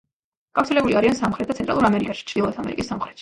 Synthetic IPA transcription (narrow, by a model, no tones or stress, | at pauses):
ɡ̥aft̪sʰɛlɛbuliaɾiansamχɾɛt̪̚dat̪sʰɛnt̪ɾalˠuɾamɛɾikanʃi̥t͡ʃʰd̪ilˠɔt̪ʰamɛ̰ɾḭkʼisːamχɾɛt̪ʰʃ